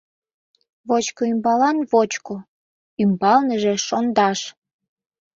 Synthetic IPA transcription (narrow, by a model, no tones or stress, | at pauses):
βot͡ɕkoymbɑlɑnβot͡ɕko | ymbɑlnəʒeʃond̪ɑʃ